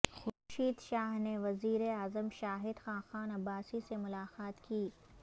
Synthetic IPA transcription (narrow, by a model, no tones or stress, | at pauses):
xʊʃiːd̪ʃaːɦneʋɐziːɾeaːzəmʃaːɦɪd̪xãːxaːnɐbːaːsisemʊlaːqaːt̪kiː